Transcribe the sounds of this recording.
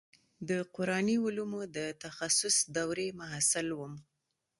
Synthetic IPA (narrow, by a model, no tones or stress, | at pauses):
d̪əqʊɾɑniʊlumod̪ət̪axasʊsd̪awɾemaɦasɪlwəm